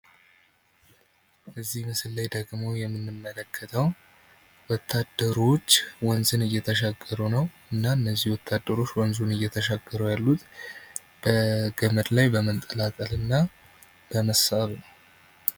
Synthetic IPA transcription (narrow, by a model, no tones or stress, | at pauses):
əzːihmɨsɨlːajd̪əɡmo̞jɛmːɨnːɨmːələkʰːət̪ʰəw | wɔt̪ʰːad̪əɾo̞t͡ʃːwɔnzɨnɨjːɛt̪ʰəʃaɡːəɾunəw | ɨnːaɨnːəzːihwɔt̪ʰːad̪ːəɾo̞t͡ʃːwɔnzunɨjːɛt̪ʰəʃaɡːəɾəwjalːut̪ʰ | b̥əɡəməd̪lajbəmənt̪ʼəlakʼəlɨnːa | b̥əməsaβnəw